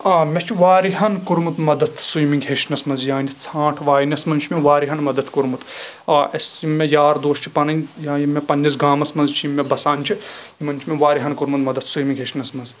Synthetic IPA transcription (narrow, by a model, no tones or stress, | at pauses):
aːmʲet͡ʃʰiʋaːɾiɦɐnkuɾmut̪mɐd̪ɐt̪ʰsujmiŋɡɦeʃnɐsmɐnzjãːnʲit͡sʰãːʈʰʋaːjnʲɐsmɐnt͡ʃʰmeʋaːɾiɦɐnmɐd̪ɐt̪ʰkuɾmut̪aːɐsjimːejaːɾd̪oːʃt͡ʃʰi̥pɐnɐnʲjãːjimːepɐnʲːisɡaːmɐsmɐnzt͡ʃʰijimːebɐsaːnʲt͡ʃʰi | imɐnt͡ʃʰimʲeʋaːɾiɦɐnkuɾmut̪mɐd̪ɐt̪ʰsujmiŋɡɦeʃnɐsmɐnz